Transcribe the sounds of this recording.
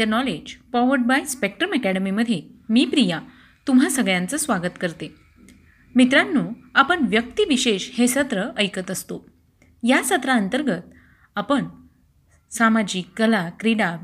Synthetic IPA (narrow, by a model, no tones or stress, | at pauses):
ənɔled͡ʑfɔʋəɾɖ̚bajspek̚ʈɾəmɛkæɽəmiməd̪ʱːjemiːpɾija | t̪um̤ɦasəɡɭjãnt͡səsʋaɡət̪kəɾt̪e | mit̪ɾanːuːapəɳʋjək̚t̪iʋiɕeɕhesət̪ɾəʔəjkət̪əst̪o | jasət̪ɾaənt̪əɾɡət̪̚ | apəɳ | samad͡ʑiːkːəlakɾiɽa